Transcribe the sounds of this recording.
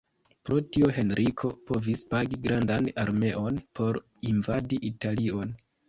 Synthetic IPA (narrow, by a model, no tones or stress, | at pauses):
pɾo̞tioɦe̞nɾʔikʰo̞po̞vispaɡiɡɾandanaɾme̞ʔo̞npʰo̞ɾ | invadiʔitalio̞n